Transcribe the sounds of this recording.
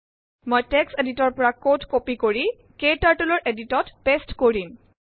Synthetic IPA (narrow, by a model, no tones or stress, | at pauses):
mojtekseditɔɹpɔɹakotkopikoɹi | ketaɹtulɔɹʔeditɔtb̥estkoɹim